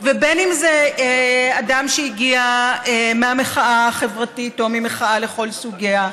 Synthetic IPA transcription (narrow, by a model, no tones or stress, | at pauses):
vebenimze | adamʃeiɡiaemeameχaʔaχe̞vʁatito̞mimeχaʔale̞χo̞lsuɡia